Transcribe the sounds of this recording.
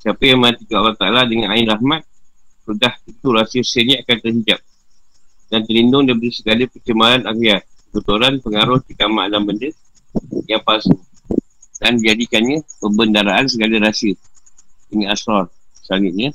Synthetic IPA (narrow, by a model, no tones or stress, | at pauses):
siapəjaŋmənat̪ikəalːaht̪aaladəŋanaɪnrahmat̪̚sudahit̪uɾasiəsəniakant̪ərɦid͡ʒap̚ | dant̪əlindʊŋdapəɾisəɡaləpət͡ʃəmalanakiat̪̚kəbut̪uɾanpəŋaɾʊht̪ikama̰lambəndə | jaŋpasu | dandid͡ʒadikanɲãpəmbəndaɾaʔans̬əɡaləɾasiə | dəŋiasɔrsəaŋɪt̪̚ɲa